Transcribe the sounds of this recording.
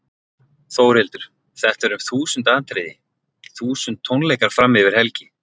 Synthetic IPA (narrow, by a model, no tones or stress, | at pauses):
θoːwɾɪlt̪ʏɾ̥ | θɛht̪ɛɾʏmθuːsʏnt̪aːnt̪ʰɾeːðɪ | θuːsʏnt̪ʰːonlejkaɾ̥fɾamːɪvɪɾ̥hɛlcɪ